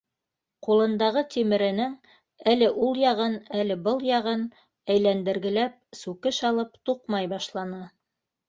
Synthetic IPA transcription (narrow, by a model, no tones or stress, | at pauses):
qulˠɤ̆nd̪ɑʁɤt̪imɘ̆ɾɘ̆nɘŋ | ælɘʔulˠjɑʁɤnælɘbɤlˠjɑʁɤn | æjlænd̪ɘ̆ɾɡɘ̆læp̚sʉkɘʃɑlˠɤp̚t̪uqmɑjbɑʃlˠɑnɤ